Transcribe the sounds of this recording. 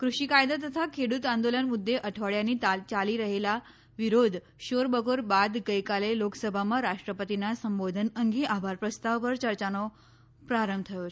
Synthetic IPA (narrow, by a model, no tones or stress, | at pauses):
kɾuɕikajd̪at̪̬ət̪ʰakʰeɽuːt̪and̪olənmud̪ʱːeʔəʈʰʋəɭjanːiːt͡ɕaliːɾəɦela | ʋiɾod̪ʱ | ɕoɾbəɡoɾbad̪ɡəjkaleloksəbʱaməɾaʂʈɾəpət̪inasəmbod̪ʱənəŋɡiʔabʱaɾpɾəst̪aʋʋəɾt͡ɕəɾt͡ɕanɔ | pɾaɾəmbt̪ʰəjo